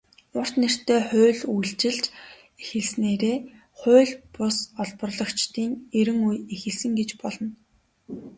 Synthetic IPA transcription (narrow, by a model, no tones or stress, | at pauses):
ʊr̥t̪ner̥t̪ʰeːχʊːɮujɮt͡ɕɪ̆ɮt͡ɕ | exɘ̆ɮsneːɾeː | χʊːɮpʊsɔɮpə̆rɮɞ̆kt͡ɕt̪iːŋeɾɘ̆ŋujexɘ̆ɮsɘ̆ŋɡet͡ɕpɔɮɞ̆n